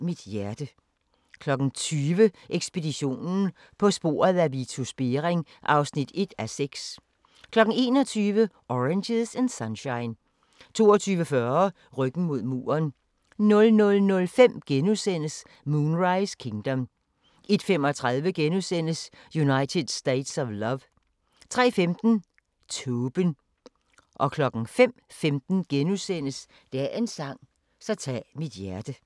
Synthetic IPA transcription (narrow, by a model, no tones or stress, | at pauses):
mid̥jæɐd̥ə | kʰlɒ̽ɡ̥n̩t͡sʰyːʋəʔeɡ̥sb̥e̝diɕo̝̰ːnn̩ | pʰɒ̽sb̥o̝̰ːɐð̩ˠæʋit͡sʰusb̥e̝ʁeŋʔɑ̈ʊsnid̥e̝d̥æseɡ̥s | kʰlɒ̽ɡ̥̩e̝̰ːnɒ̽t͡sʰyːʋə | ʔɒʁenɕeðˠsensɑnɕɑ̈ɪn | t͡sʰo̝̰ːɒt͡sʰyːʋəfɶɐ | ʁœɡ̥n̩mo̝ð̞̰ˠmṵːɐn | nɔ̽lnɔ̽lnɔ̽lfem̰ɡ̥enusen̰əs | muːnʁɑ̈ɪskʰeŋd̥ɒm | id̥fem̰ɒ̽t͡sʰʁaðˠʋəɡ̥enusen̰əsjunɑ̈ɪt͡sʰe̝d̥sd̥eɪd̥sɒʋlɒʋ | t͡sʰʁɛ̰ːfemd̥n̩ | t͡sʰɔːb̥ən | ʔɒ̽kʰlɒ̽ɡ̥n̩fem̰femd̥n̩ɡ̥enusen̰əs | d̥ææɐʔe̝nsɑ̈ŋ̰ | sɒt͡sʰɛ̰ːmid̥jæɐd̥ə